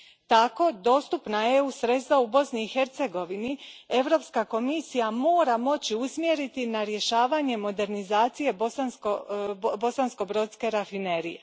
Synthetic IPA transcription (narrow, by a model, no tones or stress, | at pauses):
t̪ako̞d̪o̞ːst̪upnajeusɾe̞t̪st̪ʋaubo̞sniːxe̞ɾt̪se̞ɡo̞ʋinie̞ʋɾo̞pskako̞misijamo̞ːɾamo̞t͡ɕiusmje̞ɾit̪inaɾje̞ʃaːʋaɲe̞mo̞d̪e̞ɾnizaːt̪sije̞bosanskobo̞sansko̞bɾo̞ːt̪ske̞ɾafine̞ɾḭje̞̰